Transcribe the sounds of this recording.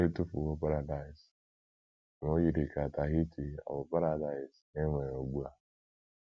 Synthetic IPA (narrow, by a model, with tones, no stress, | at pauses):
e˦tu˦pu˨wo˦pa˦ɾa˨da˨ɪ˨s | n˨o˦ji˨ɾi˨ka˨ta˨ɦi˦ti˨a̰˨wo˨pa˦ɾa˨da˨ɪ˨s | e˦ŋʷe˨ɾo˨ɡ͡bu˦a˨